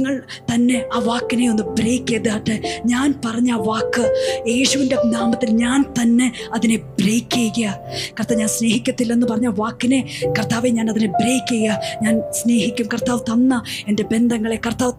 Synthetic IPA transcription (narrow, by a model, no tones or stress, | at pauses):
ŋːɐɭ | t̪ɐnːe̞aːʋaːkːine̞onːɨbreːkːeːðaːʈːɨɲaːnpɐrɐɲːaːʋaːkːɨje̞ːɕuʋindenaːmɐt̪ːilɲaːnt̪ɐnːe̞ɐðine̞breːkːeɣɐjɐkɐrt̪ːaːʋɲaːnsne̞ːhikʲːɐt̪ːilːenːɨpɐrɐɲːaʋaːkːine̞kɐrt̪aːʋeɲaːnɐðinebreːkʲːejɐɲaːnsne̞ːhikʲːumkɐrt̪aːʋt̪ɐnːɐe̞nde̞be̞nd̪ʱɐŋːɐɭekɐrt̪aːʋ